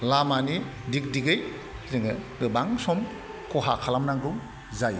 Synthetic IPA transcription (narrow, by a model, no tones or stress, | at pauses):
lamani | dik̚diɡɯj | zɯŋɯɡɯbaŋsɔm | kɔɦakʰalamnaŋduŋ | zaj